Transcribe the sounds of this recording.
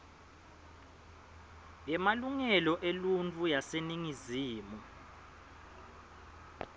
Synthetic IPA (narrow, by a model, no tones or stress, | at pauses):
jɛmaluŋɛlɔʔelunt͡fʰʼujaseniŋiziːmu